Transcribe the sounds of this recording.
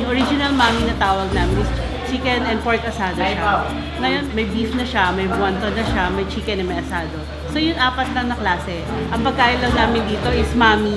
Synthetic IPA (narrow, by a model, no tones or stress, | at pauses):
jʊŋʔoɾid͡ʒɪnɐlmaːminɐt̪aːwɐɡ̚naːmɪnʔɪs | t͡ʃikɛnʔɛnd̪̚poɹt̪ʔɐsaːd̪oʃa | ŋɐjo̞nmɐjbifnɐʃɐmɐjbwɐnt̪onɐʃamɐjt͡ʃikɛnɐnmɐjʔɐsaːd̪o | so̞jʊŋʔaːpɐt̪lɐŋnɐklaːsɛ | ʔɐŋpɐɡ̚kaːʔɪllːɐŋnaːmɪnd̪iːt̪o̞ʔɪsmaːmi